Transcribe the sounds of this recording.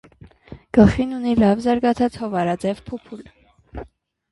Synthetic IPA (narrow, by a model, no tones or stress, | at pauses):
ɡ̥əlχinunilɑvzɑɾɡɑt͡sʰɑt͡shɔvɑɾɑd͡zɛvpʰupʰul